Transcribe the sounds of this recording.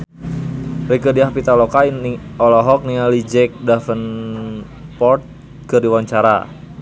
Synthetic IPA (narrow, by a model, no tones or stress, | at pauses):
rikədiapit̪alɔkaiɔlɔɦɔk̚nialid͡ʒɛk̚dafən | pɔrt̪̚ | kərdiwaɲt͡ʃaɾa̰